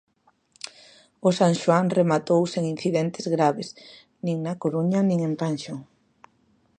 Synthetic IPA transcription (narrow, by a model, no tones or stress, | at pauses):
ʊsaŋʃwaŋremat̪owseŋin̟θiðent̪ɪzɣɾaβɪs | nĩŋnakoɾuɲɐnĩŋempanʃoŋ